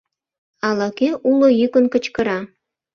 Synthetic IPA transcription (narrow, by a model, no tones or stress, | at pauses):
ɑlɑkeʔulojykənkət͡ɕkəɾɑ